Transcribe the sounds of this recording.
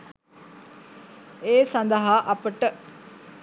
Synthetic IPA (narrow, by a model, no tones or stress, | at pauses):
eːsand̪əɦaːʔɐpəʈə